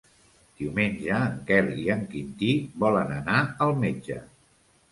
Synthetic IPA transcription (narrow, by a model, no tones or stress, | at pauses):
d̪̥iumenʲʒəːŋkɛliəŋkint̪ibɔlənənaəlˠmed͡ʒə̰